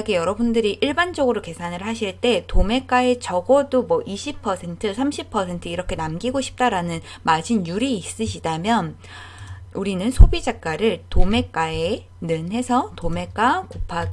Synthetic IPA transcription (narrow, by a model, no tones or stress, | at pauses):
ɡejʌɾʌbundɯɾiʔiɭband͡ʑʌɡɯɾoke̞sʰanɯɭɦaɕʰiɭt͈e̞tome̞k͈ae̞t͡ɕʌɡʌdomwʌʔiɕʰipʰʌsʰe̞ntʰɯsʰamɕʰipʰʌsʰe̞ntʰɯiɾʌkʰe̞namɡiɡoɕʰi̥p̚t͈aɾanɯn | mad͡ʑinjuɾiːs͈ɯɕʰidamjʌn | uɾinɯnsʰobid͡ʑak̚k͈aɾɯɭtome̞k͈ae | nɯnɦe̞sʰʌtome̞k͈akopʰaɡ